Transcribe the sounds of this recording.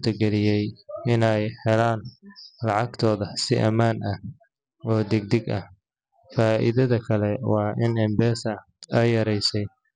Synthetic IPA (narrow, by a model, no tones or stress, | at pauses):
t̪ʰɐɡɛlɪjɛjɪnɛjhɛlaːnlɑʕɑɡt̪ʰɔːðɐsɪ̰ʔɐmaːnʔɐh | ɔːd̪ɛɡ̚d̪ɛɡɐ̰h | faːʔɪ̰ðɐðɐkʰɐlɛwɑːʔɪnɛmbɛːsɐ | ɐjɐɾɛjsɛj